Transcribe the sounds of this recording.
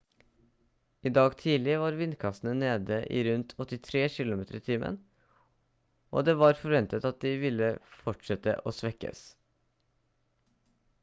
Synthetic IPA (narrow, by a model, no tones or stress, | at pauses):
iːd̪ɑːɡt̪ʰiːlɪʋɑːɾʋɪnd̪kʰɑst̪ən̩əneːd̪əʔḭːɾʉnt̪ʰɔt̪ːɪt̪ʰɾeːʃɪlʊmeːt̪ə̰ɾɪt̪ʰiːmʔə̰n | ʔo̰ːd̪eːʋɑːɾfɔɾʋɛnt̪ət̪ɑt̪̚d̪ɪʋɪlːəfɔʈʂɛt̪ə̰ʔo̰ːsʋɛkːə̰s